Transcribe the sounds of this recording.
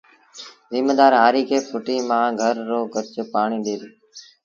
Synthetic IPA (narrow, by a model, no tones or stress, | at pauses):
zɪːmeːd̪aːɾɦaːɾiːkʰeːpʰʊʈiːmãːɡʱəɾːoːɡəɾt͡ʃpaːɳiːɗeːɾː